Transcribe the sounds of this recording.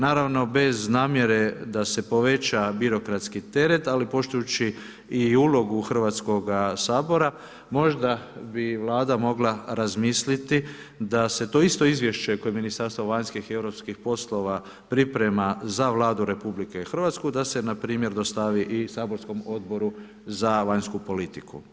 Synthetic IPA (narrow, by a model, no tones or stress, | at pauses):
naːɾaʋno̞be̞znaːmje̞ɾe̞d̪ase̞po̞ʋe̞t͡ʃabiɾo̞kɾat̪skit̪e̞ɾe̞t̪alipo̞ʃt̪ujut͡ʃi | iuːlo̞ɡuxr̩ʋat̪sko̞ɡasaːbo̞ɾa | mo̞ʒd̪abiʋlˠaːd̪amo̞ɡlˠaɾazmislit̪i | d̪ase̞t̪o̞ist̪o̞izʋje̞ʃt͡ʃeko̞jeminist̪aɾst̪ʋoʋaɲskixie̞ʋɾo̞pskixpo̞slˠo̞ʋa | pɾipɾe̞mazaʋlˠaːd̪uɾe̞publike̞ixr̩ʋat̪skud̪ase̞napɾiːmje̞ɾd̪o̞st̪aʋiʔisaːbo̞ɾsko̞mo̞d̪̚bo̞ɾu | zaʋaɲskupo̞lit̪ikṵ